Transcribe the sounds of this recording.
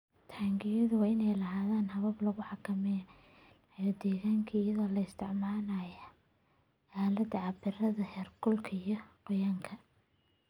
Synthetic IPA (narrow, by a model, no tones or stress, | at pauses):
t̪ʰaːŋɡɪjɐðʊwɑːɪnɛjlɐɦaːðaːnɦɐβɐblɐɣʊħɑkʰɐmɛ | jɔd̪ɛːɣaːŋkʰɐɪjɐðɔːlɐɪst̪ʰɪʕmaːnɐːjɐ | ʔaːlɐd̪ɐʕɑbɪrɐðɐhɛːrɡʊlkʰɐijɔqɔjaːŋkʰɐ